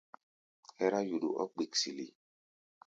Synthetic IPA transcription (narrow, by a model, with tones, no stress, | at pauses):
hɛ˦ɾa˦ju˨ɗṵ˨ʔɔ̰˦k͡pi˨ksi˨lḭ˨